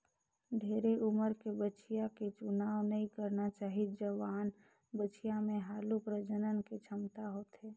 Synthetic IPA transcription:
ɖʱeːɾeʔuməɾkebət͡ʃijaket͡ʃʊnaːʋnəɦĩkəɾnat͡ʃaːɦit̪d͡ʒəʋaːn | bət͡ʃijamẽɦaːlupɾəd͡ʒənənket͡ʃʰəmt̪aɦoːt̪ɦeː

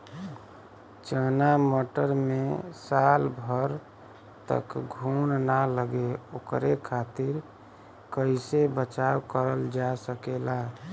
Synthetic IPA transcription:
t͡ʃənamoʈəɾmesalbʱəɾ | t̪ə̰kɡʱunnaləɡeokɾekʰat̪iɾ | kəɪsebət͡ʃawkəɾəld͡ʒasəkela

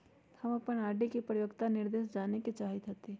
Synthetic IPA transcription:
hɐmɐpənaːɖekepɾəjoɡt̪anɪɾd̪eːʃd͡ʒaːneket͡ʃaːɦit̪ɐt̪e

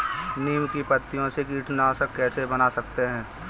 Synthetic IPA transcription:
niːmkipət̪ːijõseɡiːʈʰnasəkɛːsebɐnasɐkt̪eɦɛ̃ː

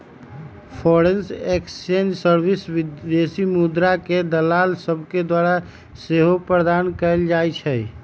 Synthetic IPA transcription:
pʰɔɾensekst͡ʃend͡ʒsəɾbisʋid̪esimud̪ɾaked̪əlalsəbʱked̪waɾa | seɦopɾəd̪ankɛɪld͡ʒajt͡ʃʰɛ

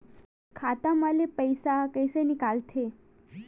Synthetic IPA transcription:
kʰat̪amalepəjsakəjsenikalt̪ʰe

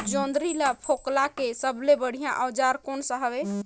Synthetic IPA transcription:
d͡ʒond̪ɾilapʰoklakesəblebəɽ̤ijãʔəwd͡ʒaɾkonsəɦəbe

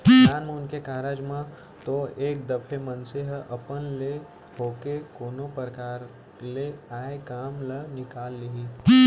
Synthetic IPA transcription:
aːnmẽʊnkekaɦɾaːd͡ʒmã | t̪oeːk̚d̪ɐpʰemənseɦɐpənle | ɦoːkekoːnopəɾkaːɾ | leaːekaːmlənɪkaːlːiɦi

